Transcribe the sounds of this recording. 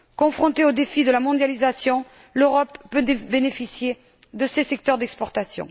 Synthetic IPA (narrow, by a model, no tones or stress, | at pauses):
kɔ̃fχɔ̃t̪eod̪efid̪əlamɔ̃d̪jalizasjɔ̃ | løʁɔpːød̪benefisje | d̪əsesɛk̚t̪œʁd̪ɛkspɔʁt̪asjɔ̰̃